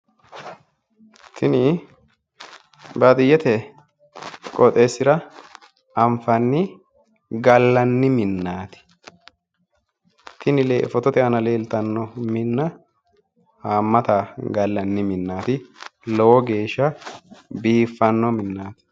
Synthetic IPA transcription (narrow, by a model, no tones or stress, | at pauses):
t̪ʰɪnɪ | bat̪ʼɪjːɛt̪ɛ | kʼɔt̪ʼe̞ːsːɪɾɐ | ɐɱfɐnːɪ | ɡɐlːɐnːɪmɪnːaːt̪ɪ̥ | t̪ɪnɪlḛːfɔt̪ɔt̪ɛʔɐnɐleːlt̪ɐnːɔmɪnːɐ | haːmːɐt̪aːɡɐlːɐnːɪmɪnːaːt̪ɪlɔwɔɡe̞ːʃːɐ | biːfːɐnːɔmɪnːaːt̪ɪ̥